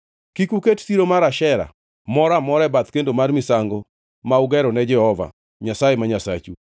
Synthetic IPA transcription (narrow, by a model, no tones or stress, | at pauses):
kikuketsiɾomaɾaʃɛɾa̰ | mɔɾamɔɾɛbat̪kendomarmɪsaŋɡo | mauɡɛɾɔnɛd͡ʒɛhɔva̰ | ɲasajemaɲasa̰t͡ʃu